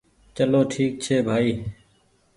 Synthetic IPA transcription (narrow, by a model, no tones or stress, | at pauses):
t͡ʃəloːʈʰiːk̚t͡ʃʰeːbʱaːiː